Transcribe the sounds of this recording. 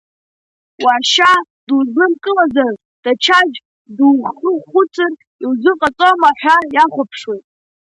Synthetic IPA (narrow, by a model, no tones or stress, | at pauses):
waʃa | duzlɨmkʼɨlazar | d̥at͡ʃʰad͡ʒ | duzχɨχʷʊt͡sʰʼɨr | iwzʷɨqʼat͡sʼomaħʷᶣajaχʷapʰʂwejtʼ